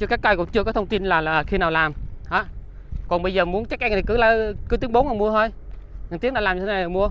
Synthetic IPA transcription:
t͡ɕɨ˧kaː˦˥k̚ːaː˧jkʊ̰˧˥ŋ͡mt͡ɕɨ˧əkɔ˨˦t̪ʰə˧wŋ͡mt̪i˧nlaː˨˩laː˨˩xi˧naː˨˩wlaː˨˩mhaː˨˦ | kɔ˨˩nɓə˧jzəː˨˩mu˨˦ənt͡ɕa˦˥k̚ʔa˧ŋt̪i˨˩kɨ˨˦laː˧kɨ˨˦t̪i˨˦əŋɓo˨˦nʔmu˧ət̪ʰo˧j | ŋa˨˩t̪i˨˦˥ŋɗaː˧˨˩laː˨˩ɲɨ˧e˦na˨˩˨mu˧ə

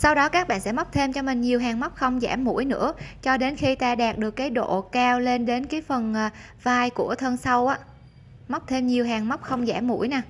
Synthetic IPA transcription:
sa˧wɗɔ˨˦kaː˦˥k̚ɓa̰ː˧˨nsɛ̰˧˥m˦˥k͡p̚t̪ʰe˧mt͡ɕɔ˧mï˨˩ŋ̟ɲi˨˩əwɦaː˨˩ŋm˦˥k͡p̚xə˧wŋ͡mzaː˧˩mːṵ˧˩˥jnɨ̰˧˥ət͡ɕɔ˧ɗe˨˦nxi˧t̪aː˧ɗaː˨˩t̚ɗɨ˨˩əkːaː˨˦jɗo̰˧˨kaː˧wle˧nɗe˨˦nkaː˨˦jfə˨˩nʔː | vaː˧jku˧˩ət̪ʰə˧nsa˧wʔaː˨˦ | ma˦˥k͡p̚t̪ʰe˧mɲi˨˩əwɦaː˨˩ŋm˦˥k͡p̚xə˧wŋ͡mzaː˧˩mːṵ˧˩əjnaː˨˩

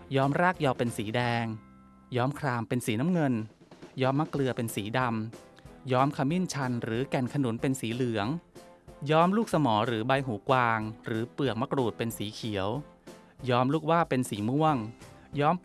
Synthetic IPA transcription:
jɔː˦˥mɾaː˥˩k̚jɔː˧pe˧nsiː˩˦dɛː˧ŋ | jɔː˦˥mkʰɾaː˧mpe˧nsiː˩˦na˦˥mŋɤ˧n | jɔː˦˥mːa˦˥klɯ˧ɐpe˧nsiː˩˦da˧m | jɔː˦˥mkʰa˧mi˥˩nt͡ɕʰa˧nɾɯː˩˦kɛ˨˩nkʰa˧nu˨˩˦npe˧nsiː˨˩˦lɯ˨˩˦əŋ | jɔː˦˥mluː˥˩k̚sa˧mɔː˩˦ɾɯː˩˦ba˧jɦuː˩˦kwaː˧ŋɾɯː˩˦pɯ˨˩ək̚ma˦˥kɾuː˨˩t̪̚pe˧nsiː˩˦kʰi˨˩˦əw | jɔː˦˥mluː˥˩k̚waː˥˩pe˧nsiː˨˩˦mu˥˩əŋjɔː˦˥m

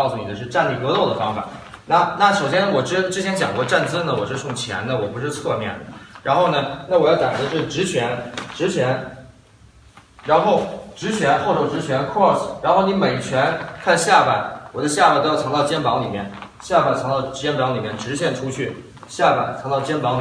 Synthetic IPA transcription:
kʊsu˥˩ni˨˩d̪ə˦ʂ̬ɻ̩˥˧ʈ͡ʂa˥˧nli˥˩k̪ɤ˧˥lɔ˥˩ʊd̪ə˩fɑ˥ŋfa̰˨˩˦na˥˩na˥˩ʂo˨˩ʊɕjɛ˥nwɔ˨˩ʈ͡ʂɻ̩˥ʈ͡ʂɻ̩˥t͡ɕʰjɛ˧˥nt͡ɕjɑ̰˨˩ŋkwɔ˥˧ʈ͡ʂa˥˩nt͡sɹ̩˥nə˨wɔ˨˩ʂɻ̩˥˧ʂʊ˥˩ŋt͡ɕʰjɛ̰˧˥nnə˨wɔ˨˩pu˧˥ʂɻ̩˥˧t͡sʰɤ˥˧mjɛ̰˥˩nd̪ə̰˩ɻa˧˥nxo˥˩ʊnə˩na˥˩wɔ˨˩jɑ˥˩ʊt̪a˨˩nd̪ə˧ʂɻ̩˥˩ʈ͡ʂɻ̩˧˥t͡ɕʰɥɛ˧˥nʈ͡ʂɻ̩˧˥t͡ɕʰɥɛ˧˥n | ɻa˧˥nxo˥˩ʊʈ͡ʂɻ̩˧˥t͡ɕʰɥɛ˧˥nxo˥˩ʊt̪ʰo˥˩ʈ͡ʂɻ̩˧˥t͡ɕʰɥɛ˧˥nkʰɔ˥˩sɻa˧˥nxo˥˩ʊni˧˥me˨˩ɪt͡ɕʰɥɛ˧˥nkʰa˥˧nɕja˥˩pa˥˩nwɔ˨˩d̪ə˦ɕja˥˩pa˥˧˩t̪jʰŋt̪ɑ˥˩ʊt͡ɕjɛ˥npɑ˧˥ŋli˨˩mjɛ̰˥˩n | ɕja˥˩ba˥˩ɪt͡sʰɑ˧˥ŋt̪ɑ˥˩ʊ˥t͡ɕjɛ˥npɑ˧˥ŋli˨˩mjɛ˥˩nʈ͡ʂɻ̩˧˥t͡ɕʰjɛ˥˩nʈ͡ʂʰu˥t͡ɕʰy˥˩ | ɕja˥˩pa̰˥˧˩ɪt͡sʰŋt̪ɑ˥˩ʊt͡ɕjɛ˥npɑ˧˥ŋl

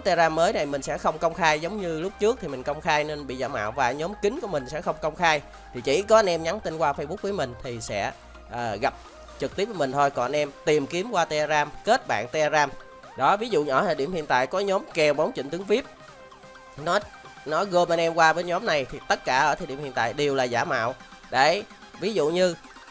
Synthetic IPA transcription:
t̪e˧zaː˧mːəː˨˦jna˨˩jmï˨˩ŋ̟sɛ̰˧˥xə˧wŋ͡mkə˧wŋ͡mxaː˧jzə˨˦wŋ͡mɲɨ˧lʊ˦˥k͡p̚t͡ɕɨ˦˥ək̚t̪ʰi˨˩mï˨˩ŋ̟kə˧wŋ͡mxaː˧jne˧nɓḭ˧˨za̰ː˧ma̰ː˧˨wvaː˨˩ɲɔ˨˦mkï˨˦ŋku˧˩əmï˨˩ŋ̟sɛ̰˧˥xə˧wŋ͡mkə˧wŋ͡mxaː˧j | t̪ʰi˨˩t͡ɕḭ˧˩kɔ˨˦ʔa˧nʔɛ˧mɲa˨˦ŋt̪i˧nkwaː˧fə˧jɓu˦˥k̚vəː˨˦jmï˨˩ŋ̟t̪ʰi˨˩sɛ̰˧˥ | ʔəː˨˩ɣa˨˩p̚ | t͡ɕɨ˨˩k̚t̪i˦˥p̚və˨˦mï˨˩ŋ̟t̪ʰo˧jkɔ˨˩˨nʔɛ˧mt̪i˨˩mki˨˦əmkwaː˧t̪e˧aː˧zaː˧mke˦˥t̚ɓa̰ː˧˨nt̪e˧ʔaː˧zaː˧m | ɗɔ˨˦vi˨˦zṵ˧˨ɲ˨ɔː˧˩t̪ʰəː˨˩ɗi˧əmhḭ˧˨ənt̪a̰ː˧˨jkɔ˨˦ɲɔ˨˦mkɛ˨˩wɓə˨˦wŋ͡mt͡ɕḭ˧˩ŋ̟t̪ɨ˨˦ŋvi˦˥əp̚ | nɔ˨˦ | nɔ˨˦ɣɨ˧˩mɓə˧nʔɛ˧mkwaː˧ɓe˧nɲɔ˨˦mna˨˩jt̪ʰi˨˩t̪ə˦˥t̚kaː˧˩ʔəː˧˩t̪ʰːɗi˧˨mḭ˧˨ənt̪a̰ː˧˨jɗe˨˩əwlaː˨˩zaː˧˩ma̰ː˧˨wɗe˧˩˨ | vi˨˦zṵ˧˨ɲɨ˧

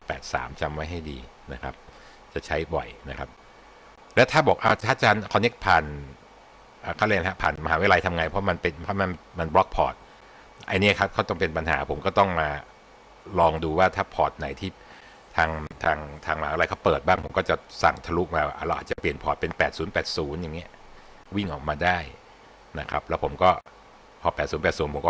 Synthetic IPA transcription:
pɛː˨˩t̪̚sa̰ː˩˦mt͡ɕa˧mwa˦˥jɦa˥˩jdḭː˧ | na˦˥kʰa̰˦˥p̚ | t͡ɕa˨˩t͡ɕʰa˦˥jbɔ̰˨˩jna˦˥kʰa˦˥p̚ | lɛ˦˥wt̪ʰaː˥˩bɔː˨˩k̚ʔa˧˩aː˥˩t͡ɕaː˧nkʰɔː˧ne˦˥k̚pʰaː˨˩n | ʔaː˨˩kʰa˥˩le˧nɦa˦˥pʰaː˨˩nma˧ɦaː˩˦wa˦˥˩la˧jt̪ʰa˧mŋa˧jpʰɾɔ˦˥ma˧npe˧npʰɔ˦˥ma˧nma˧nblɔ˦˥k̚pʰɔː˨˩t̪̚ | ʔa̰˧niː˦˥ɐ˨kʰa˦˥p̚kʰaː˥˩t̪ɔ˥˩ŋpe˧npa˧nɦaː˩˦pʰo˩˦mkɔː˥˩t̪ɔ˥˩ŋmaː˧ | lɔː˧ŋduː˧waː˥˩t̪ʰaː˥˩pʰɔː˨˩t̪̚na˨˩˦jt̪ʰiː˥˩ | t̪ʰaː˧ŋt̪ʰaː˧ŋt̪ʰaː˧ŋa˧aː˨˦˥la˧kɔ˥˩pɤː˨˩t̪̚baː˥˩ŋpʰo˩˦mkɔː˥˩t͡ɕa˨˩sa̰˨˩ŋt̪ʰa˧lu˦˥k̚maː˧waː˥˩a̰˨˩ɾa˧wʔaː˨˩t͡ɕa˨˩pli˨˩ənpʰɔː˨˩t̪̚pe˧npɛː˨˩t̪̚suː˩˦npɛː˨˩t̪̚suː˩˦nja˨˩ŋːi˦˥ɐ | wi˥˩ŋʔɔː˨˩k̚maː˧daː˥˩j | na˦˥kʰa˦˥p̚lɛ˦˥wpʰo˩˦mkɔː˥˩ | pʰɔː˨˩pɛː˨˩t̪̚suː˩˦npɛː˨˩suː˩˦npʰo˩˦mkɔː˥˩

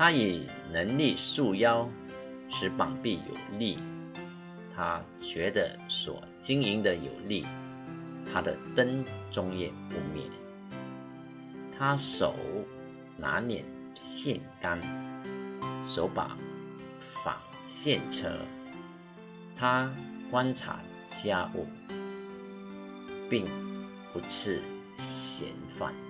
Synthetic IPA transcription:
t̪ʰa˥i˨˩ | nə˧˥ŋli˥˧su˥˧jɑ˥ʊ | ʂɻ̩˧˥pɑ˨˩ŋpi˥˩jo̰˨˩ʊli˥˩ | t̪ʰa˥ | t͡ɕɥɛ˧˥d̪ə˧ | swɔ̰˨˩t͡ɕi˥ŋi˧˥ŋd̪ə˨jo˨˩ʊli˥˩ | t̪ʰa˥d̪ə̰˨˩t̪ə˥nt͡sʊ˥ŋjɛ̰˥˩pu˥˧mjɛ̰˥˨˩n | t̪ʰa˥ʂo˨˩ʊ | na˧˥njɛ̰˨˩n | ɕjɛ˥˨nka˥n | ʂo˧˥ʊpa̰˨˩˦ | fa̰˨˩ŋ | ɕjɛ˥˨nʈ͡ʂʰɤ̰˧˥ | t̪ʰa˥kwa˥nʈ͡ʂʰa̰˧˥ | t͡ɕja˥ʔṵ˥˩ | pi˥˩ŋ | pu˨˧˥t͡s̩ʰ˥˩ | ɕjɛ̰˧˥nfa̰˥˩n

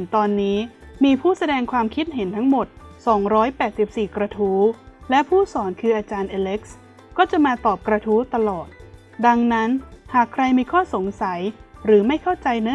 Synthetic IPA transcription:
t̪ɔː˧nːiː˦˥miː˧pʰuː˥˩sa˧dɛː˧ŋkʰwaː˧mkʰi˦˥t̪̚ɦe˩˦nt̪ʰa˦˥ŋmo˨˩t̪̚sɔː˩˦ŋɾɔː˦˥jpɛː˨˩t̪̚si˨˩p̚siː˨˩kɾa˧t̪ʰuː˦˥lɛ˦˥pʰuː˥˩sɔː˩˦nkʰɯː˧ʔaː˧t͡ɕaː˧nʔaː˧le˦˥k̚s | kɔː˥˩t͡ɕa˨˩maː˧t̪ɔː˨˩p̚kɾa˧t̪ʰuː˦˥t̪a˧lɔː˨˩t̪̚ | da˧ŋna˦˥nhaː˨˩kʰɾa˧jmiː˧kʰɔː˥˩so˩˦ŋsa˩˦jɾɯː˩˦ma˥˩jkʰa˥˩wt͡ɕa˧jnɯ˦˥

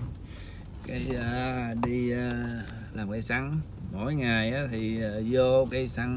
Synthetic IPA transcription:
kaː˨˦ja˧˦ɗi˧ | laː˨˩mkaː˨˦jsa˧˦ŋ | mo̰˧˥jŋa˨˩jʔaː˨˦t̪ʰi˨˩˨zo˧kaː˨˦jsa˧˦ŋ

